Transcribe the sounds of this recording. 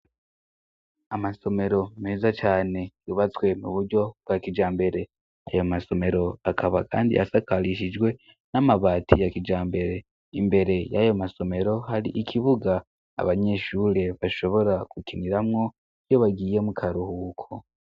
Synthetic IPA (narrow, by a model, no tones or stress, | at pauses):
amaso̞me̞ɾo̞me̞ːzat͡ʃaːne̞juβat͡swe̞muβuɾɟo̞b̚ɡakid͡ʒaːmbe̞ɾe̞ | a̰jomaso̞me̞ɾo̞akʰaβakʰa̰ːndḭʔa̰sakaliʃ̬id͡ʒɡwe̞ | namaβaːtʰijakid͡ʒaːmbe̞ɾe̞ | imbe̞ɾe̞jajo̞maso̞me̞ɾo̞ɦaɾiʔikʰiβuɡa̰ː | βaɲe̞ʃuːɾe̞βaʃo̞βo̞ɾakukiniɾamŋo̞ | ijoβaɡiːje̞mukʰaɾuhuːkʰo